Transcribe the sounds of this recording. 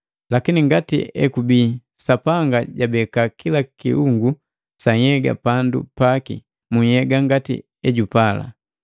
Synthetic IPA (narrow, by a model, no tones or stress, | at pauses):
lakiniŋɡatḭɛ̰kubiː | sapaŋɡaɟabɛkakilakḭuŋɡu | saɲhɛɡa̰pandṵpakḭ | muɲhɛɡaŋɡatḭ | ɛɟupala̰